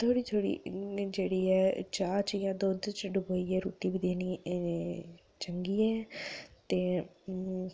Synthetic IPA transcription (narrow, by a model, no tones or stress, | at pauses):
t̪ʰoːɽiːt̪ʰoːɽḭːd͡ʒeːɽiːɛːt͡ʃaːt͡ʃjãːd̪oːd̪t͡ʃɖʊbəːiːɛːɾuːʈiːbɪd̪eːniː | t͡ʃəŋɡiːɛːt̪eː